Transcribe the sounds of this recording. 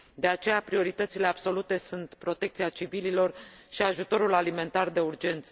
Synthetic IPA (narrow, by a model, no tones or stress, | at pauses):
d̪e̞at͡ʃe̞japɾio̞ɾit̪ət̪sile̞ab̥so̞lut̪e̞sunt̪pɾo̞t̪e̞k̚t̪siat͡ʃivililo̞r | ʃiaʒut̪o̞ɾulalime̞nt̪ard̪e̞urd͡ʒe̞nt̪sə